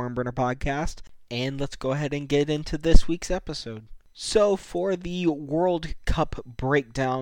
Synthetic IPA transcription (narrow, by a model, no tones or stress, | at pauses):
ɔ̃ɹmbə̃nə˞pʰɑd̚kʰæstɨ̃nlətsɡ̥oʊəɦɛɾɨ̃nɡɛɾɪ̃ntʰʉðɪswiksɛpəsoʊd̥̚ | soʊfə˞ðɨwɜ˞lˠd̚kʰʌpb̥ɹeɪk̚d̥ãʊ̃